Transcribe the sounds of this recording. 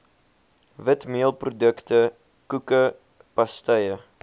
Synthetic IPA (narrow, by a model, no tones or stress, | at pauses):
vətmiəlˠprodəktə | kukə | pɐstəjə